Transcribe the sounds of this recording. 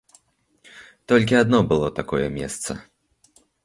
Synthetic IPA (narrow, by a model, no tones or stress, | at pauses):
t̪ɔlʲk̬ʲiad̪nɔbɨlˠɔt̪akɔjɛ̰mʲɛ̰st̪sɐ̰